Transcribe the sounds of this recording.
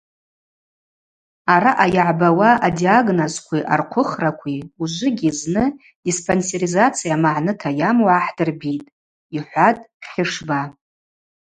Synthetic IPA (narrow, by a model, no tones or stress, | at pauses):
aɾaʔajaʕbawaʔadiaɡnozkʷʰiʔa̰rqʷʰʊχrakʷʰiuʒʷʊɡʲiznɨ | dispʰʼonseɾizat͡sʰijamaʕnɨtʰajamwaħdɨrbitʼ | iħʷatʼχʲɪʂba